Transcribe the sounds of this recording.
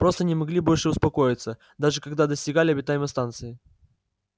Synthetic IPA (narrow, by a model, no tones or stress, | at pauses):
pɾo̞st̪ənʲɪmɐɡlʲibo̞lʲʂɨʊspɐko̞jɪt̪sə | d̪aʐɨkɐɡd̪ad̪əsʲtʲɪɡalʲɪɐbʲɪt̪ajɪməst̪ant̪sɨɪ